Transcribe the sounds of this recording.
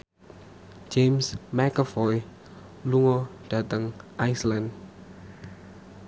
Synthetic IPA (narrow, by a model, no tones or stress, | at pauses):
d͡ʒemsmɛkəfɔj | luŋɔɖ̥ä̤t̪əŋʔajslan